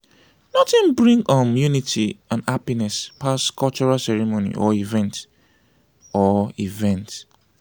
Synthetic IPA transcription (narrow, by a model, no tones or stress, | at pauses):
nɔtɪ̃nbɹĩŋɡɔmjunitʰiãnapinɛspʰaskʰɔlt͡ʃuɹalsɛɹimonḭʔɔivɛ̃nt | ɔivɛ̃nt